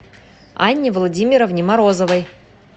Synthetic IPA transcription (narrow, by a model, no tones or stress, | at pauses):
a̰nʲːivlˠodʲimʲiɾovnʲimaɾozovəj